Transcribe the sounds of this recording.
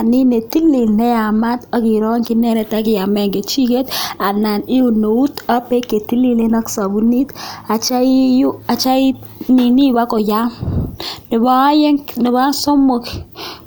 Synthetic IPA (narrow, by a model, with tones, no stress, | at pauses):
a˨ni˦ne˨ti˦lːi˨lnɛ˦a˨ma˦ta˦ki˨ɾɔ˦ŋki˦nɛ˦ɾɛ˨ta˦kɪ˨ja˨mɛ˦ŋɡe˨t͡ʃi˦ke˦ta˨na˨ni˦u˨no˨u˦ta˦pe˦kːe˨ti˦li˨le˦na˦ksa˨bu˨ni˦ta˨t͡ʃa˦i˦ju˦a˨t͡ʃa˦i˦ | ni˨ni˦wa˦ko˨ja˦m | nɪ˨ba˦je˦ŋnɪ˨βa˦sɔ˦mo˦k